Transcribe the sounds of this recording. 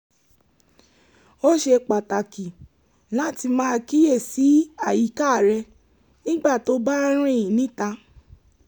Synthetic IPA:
o˦ʃe˧k͡pa˨ta˨ki˨ | la˨˦ti˧mãː˦˧ki˦je˦˨si˨˦a˦˨ji˨˦ka˦˨ɾɛ˧ | nĩ˦ɡ͡ba˦˨to˦ba˦ɾ̃ĩ˦˨jĩ˨nĩ˨˦ta˧

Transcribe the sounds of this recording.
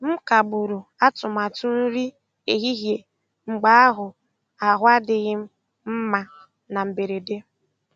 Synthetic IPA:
m̩˦ka˨ɡ͡bʊ˨ɾʊ˨a˦tʊ˨ma˨tʊ˦n̩˦ɾi˦ | e˨ɣi˦ɦje˨ | ŋ͡m̩˨ɡ͡ba˨˦a˦ɦʊ˨ | a˨ɦʷa˦dɪ˨ɣɪ˦m̩˦ | m̩˦ma˨ | na˨m̩˨be˨ɾe˨de˦

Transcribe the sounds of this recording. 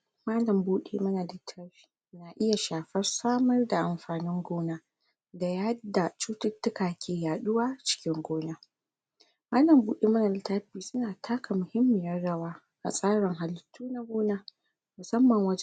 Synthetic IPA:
maː˦lɐ˨mbuː˦ɗḛ˦˨mɐ˦na˨lɪ˦tʰa˦ɸi̥˨na˨ʔɪ˦ja˨ʃaː˨ɸɐ˦rsaː˦mɐ˦rda˨ʔa˨mɸaː˨nɪ˦ŋɡʷoː˦na˦ | da˨ja˦da˨t͡ʃuː˦tʊ˦tːʊ˦kaː˨kʲʰeː˨jaː˨ɗʊ˦waː˦t͡ʃɪ̥˦kʲɪ˦ŋɡʷoː˦na˦ | maː˦lɐ˨mbuː˦ɗeː˦mɐ˦na˨lɪ˦ta˦ɸiː˨sʊ˦naː˨tʰaː˦kʰa˨mʊ˨hɪ˦mːɪ˨jɐ˦rɽɐ˦waː˦ | ʔa̰˨sʼaː˦ɽɪ˨ŋɦa˨ltʰːuː˦na˦ɡʷoː˦na˦ | mʊ˨sɐ˦mːɐ˨ŋwɐ˦d͡ʒ

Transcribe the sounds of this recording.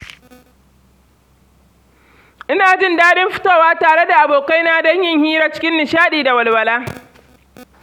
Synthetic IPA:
ʔɪ˦naː˨d͡ʒɪ˦ndaː˦dɪ˦mɸɪ̥˦toː˦˨waː˦taː˨ɽe˦da˨ʔa˨boː˨ka˦jnaː˦dɐ˦ɲjɪ˦˨ŋhiː˦ɾaː˦t͡ʃɪ̥˦kʲɪ˦nːɪ˨ʃaː˦ɗiː˨da˨wɐ˨lwɐ˨laː˦

